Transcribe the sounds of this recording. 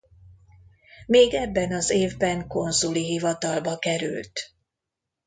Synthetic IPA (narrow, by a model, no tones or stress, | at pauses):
meːɡɛbːɛnɒzeːvbɛŋko̞nzuliɦivɒt̪ɒlbɒkɛɾy̰lt̪